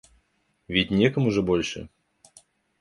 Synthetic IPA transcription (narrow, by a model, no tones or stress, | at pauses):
vʲɪt̚ʲnʲekəmʊʐɨbolʲʂɨ̰